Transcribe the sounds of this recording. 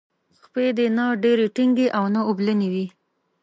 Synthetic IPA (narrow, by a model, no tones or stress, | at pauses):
xped̪enaɖeɾeʈiŋɡeʔawnaobləniwi